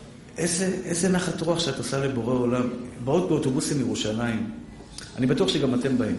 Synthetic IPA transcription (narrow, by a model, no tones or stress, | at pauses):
ʔezeʔezenaχatʁoaχʃeatosale̞bo̞ʁeo̞lambaot̪̚beo̞to̞busimjeʁuʃalaim | a̰nibatuaχʃeɡamate̞mbaim